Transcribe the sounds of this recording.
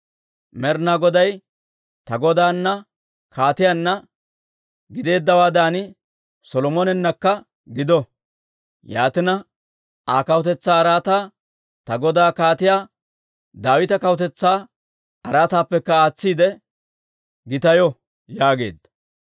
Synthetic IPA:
mɛɾnaɡɔd̪ɐj | t̪ɐɡɔd̪aːnːɐ | kʰaːt̪ɪjanːɐ | ɡɪd̪e̞ːd̪ːɐwaːd̪aːnɪ | sɔlɔmɔnɛnːɐkːɐ | ɡɪd̪ɔ | jaːt̪ɪnɐ | aːkɐwt̪ɛt͡sːaːɐɾaːt̪aː | t̪ɐɡɔd̪aːkaːt̪ɪjaː | d̪aːwɪt̪ɐkɐwʊt̪ɛt͡sːaː | tɐɾaːt̪aːpːɛkːɐaːt͡sːiːd̪ɛ | ɡɪt̪ɐjɔ | jaːɡe̞̰ːd̪ːɐ̥

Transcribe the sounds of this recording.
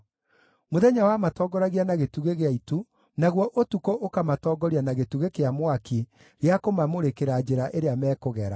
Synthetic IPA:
moðɛɲawamatɔːɡɔɾaɣianaɣetuɣeɣeaitu | naɣwɔʔotukɔʔokamatɔɡɔɾianaɣetuɣekeamwaki | ɾeakomamoɾekeɾad͡ʑeɾaʔeɾeamɛːkoɣɛɾa

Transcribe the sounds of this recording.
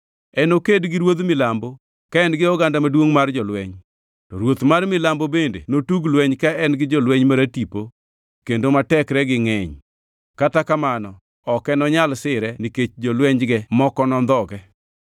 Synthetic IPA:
ɛnokedɡɪɾwod̪mɪlambo | kaɛnɡɪɔɡandamadwoŋmard͡ʒɔlwɛɲ | tɔɾwot̪marmɪlambobendḛnotuɡlwɛɲkaɛnɡɪd͡ʒɔlwɛɲmaɾatipo | kendomatɛkɾɛɡɪŋɛɲ | katakamanɔ | ɔkɛnɔɲalsɪɾɛniket͡ʃd͡ʒɔlwɛɲd͡ʒɡɛmɔkɔnɔnd̪ɔɡɛ

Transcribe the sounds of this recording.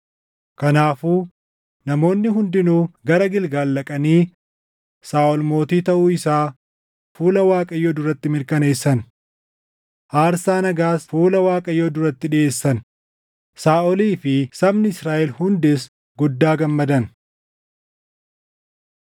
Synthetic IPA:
kɐnaːfuː | nɐmo̞ːnːɪɦʊnd̪ɪnuːɡɐɾɐɡɪlɡaːlːɐkʼɐniː | saːʔɔlmo̞ːt̪iːt̪ɐʔuːɪsaː | fuːlɐwaːkʼɐjoːd̪ʊɾɐt̪ːɪmɪɾkɐne̞ːsːɐn | ʔaːɾsaːnɐɡaːsfuːlɐwaːkʼɐjːod̪ʊɾɐt̪ːɪᶑɪeːsːɐn | saːʔɔliːfɪsɐbnɪɪsɾaːʔɛlhʊnd̪ɪs | ɡʊd̪ːaːɡɐmːɐd̪ɐn

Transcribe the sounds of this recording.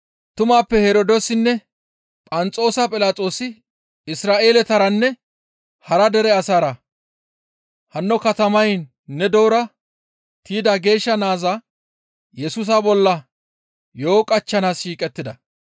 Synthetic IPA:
t̪ʊmaːpːɛhɛɾoːd̪osɪnːɛ | pʼɐnt͡sʼo̞ːsɐpʼɪlaːt͡sʼo̞ːsɪ | ɪsɾaːʔe̞ːlɛt̪ɐɾɐnːɛ | hɐɾɐd̪ɛɾɛɐsaːɾɐ | hɐnːɔkɐt̪ɐmɐjn | nːɛd̪oːɾɐ | t̪ʰiːd̪aɡe̞ːʃːɐnaːza | jɛsʊs̬abɔlːɐ | jo̞ːkʼɐt͡ʃːɐnaːsʃiːkʼɛt̪ːɪd̪ɐ

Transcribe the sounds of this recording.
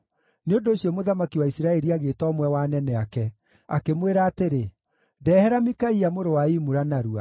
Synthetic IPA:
neondoːɕijɔmoðamakiwaisiɾaɛɾiaɣetɔːmwɛwanɛnɛakɛ | akemweɾaːteɾe | dɛːhɛɾamikaiamoɾowaimuɾanaɾua̰

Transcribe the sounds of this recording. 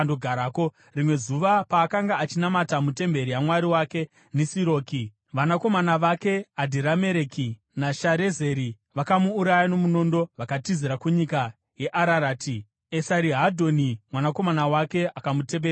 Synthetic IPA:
ndoɡʱaɾaːko | rimwe̞zuʋapaːkaŋɡaːt͡ʃinamatamute̞mbe̞ɾijamwaɾiwake̞ | nesiɾo̞ːki | ʋanako̞manaʋake̞adʱiɾame̞ɾeki | naʃaɾe̞ze̞ɾi | ʋakamuːɾajano̞muno̞ndo̞ʋakatiziɾakuɲika | je̞ʔaɾaɾaːtʰi | e̞saɾiɦadʱo̞nimwanako̞manawake̞akamute̞ɓeː

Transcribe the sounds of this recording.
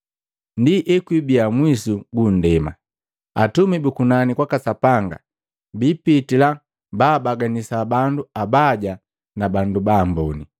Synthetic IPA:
ndiʔɛkwibiamwisuɡun̩dɛma̰ | atumibukunanikwakasapaŋɡa̰ | bipitila | baːbaɡanisabanduabaɟa | nabandubambɔni

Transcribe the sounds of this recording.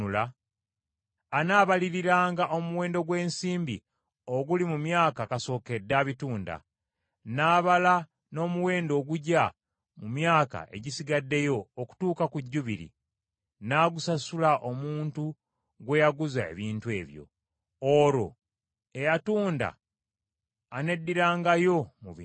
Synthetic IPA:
ula | naːβaliɾiɾaːŋɡaʔo̞muwe̞ːndo̞ɡwe̞ːnsiːmbi | oɡulimumjaːkakaso̞ːke̞dːaːβituːnda̰ | naːβala | no̞ːmuwe̞ːndo̞ːɡuɟa | mumjaːka̰e̞̰ɟisiɡadːe̞jo̞ːku̥tuːkakuɟːuβiɾḭ | naːɡusasulaʔo̞muːntu | ɡwe̞jaɡuzae̞̰βiːntwe̞̰ːβjo̞̰ | oɾo̞̰ | e̞jatuːnda̰ | ne̞dːiɾaːŋɡajo̞muβi

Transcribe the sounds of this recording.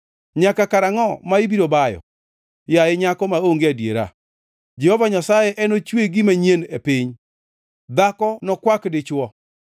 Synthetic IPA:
ɲakakaɾaŋɔmaɪbiɾobajɔ̰ | jaɪɲakɔmaoŋɡeadjḛɾa̰ | d͡ʒɛhovaɲasajɛʔɛnot͡ʃweɡɪmaɲienepɪɲ | d̪akɔnɔkwakdɪt͡ʃwɔ

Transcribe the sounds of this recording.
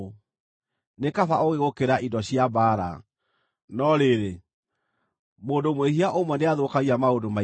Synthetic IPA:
nekafaoɣeɣokeɾaʔidɔɕiabaːɾa̰ | nɔɾeɾe | moːndomweɦiaʔomwɛneaðokaɣiamaodoma

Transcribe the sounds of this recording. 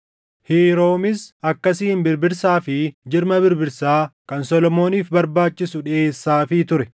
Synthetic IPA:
hiːɾo̞ːmɪsɐkːɐsɪɪmbɪɾbɪɾsaːfɪd͡ʒɪɾmɐbɪɾbɪɾsaːkɐnsɔlɔmo̞ːniːfbɐɾbaːt͡ʃːɪsʊᶑɛeːsːaːfɪt̪ʊɾɛ

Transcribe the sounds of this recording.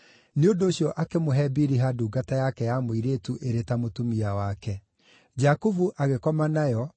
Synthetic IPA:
neondoːɕjɔʔakemoɦɛbiɾiɦaduːɡatajakɛjamoiɾetuʔeɾetamotumiawakɛ | d͡ʒakuvuʔaɣekɔmanajɔ

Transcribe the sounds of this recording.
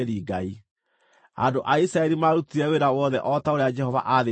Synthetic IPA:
eɾiːɡai | a̰doʔaisɾaɛɾimaɾutiɾɛweɾawɔðɛʔɔtaoɾead͡ʒɛhɔva̰ʔaðe

